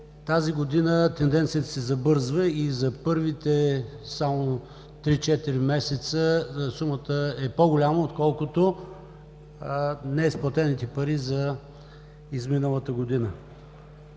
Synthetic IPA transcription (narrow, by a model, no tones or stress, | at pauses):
t̪aziɡod̪inət̪ɛnd̪ɛnt̪sijət̪ə̥sɛzɐbɤɾzvəizɐpɤɾvit̪ɛ | samo | t̪ɾit͡ʃɛt̪iɾimɛsɛt̪səsumət̪əɛpoɡolʲaməot̪kɔlˠkʊt̪o | nɛsplˠɐt̪ɛnit̪ɛpɐɾizɐ | izminəlˠət̪əɡod̪inə